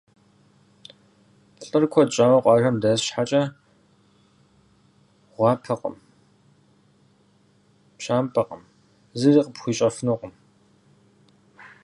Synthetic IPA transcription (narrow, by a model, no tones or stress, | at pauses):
pɬʼɨrkʷʰɔt͡ʃʼaːwɐqʷʼɑːʒɐmdɐsʃħat͡ʃʼɐ | ʁʷɑːpʰɐqʼə̰m | pɕaːmpʰɐqʼə̰m | zɨriːqʼəpxʷiːt͡ʃʼɐfɨnoqʷʼəm